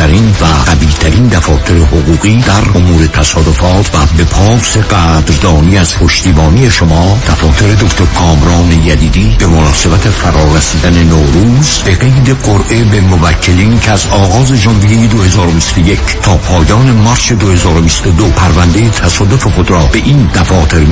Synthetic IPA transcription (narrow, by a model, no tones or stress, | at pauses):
æɾinvæʁæbiːt̪ʰæɾind̪æfɒːt̪ʰe̞ɾehoɣuːɣiːd̪æɾomuːɾe̞t̪ʰæsɒːd̪o̞fɒːt̪ʰvæbe̞pʰɒːse̞ɡæːd̪ɾd̪ɒːniːæz̥pʰo̞ʃt̪iːbɒːnije̞ʃo̞mɒːd̪̥æfɒːt̪ʰe̞ɾe̞d̪o̞kʰt̪ʰo̞ɾkʰɒːmɾɒːnejæd̪iːd̪iːb̥e̞monɒːse̞bæt̪ʰe̞fæɾɒːɾæsiːd̪æne̞noːɾuːzb̥e̞ɣe̞jd̪e̞ɡoɾʔe̞be̞movækʰːe̞liːncʰeæzɒːɣɒːze̞d͡ʒɒnvijejed̪ohe̞zɒːɾobist̪oje̞cʰt̪ʰɒːpʰɒːjɒːne̞mɒɾse̞d̪ohe̞zɒːɾobist̪o̞d̪opʰæɾvænd̪e̞jet̪ʰæsɒːd̪o̞fe̞xo̞d̪ɾɒːbe̞ʔiːnd̪æfɒːt̪ʰe̞ɾ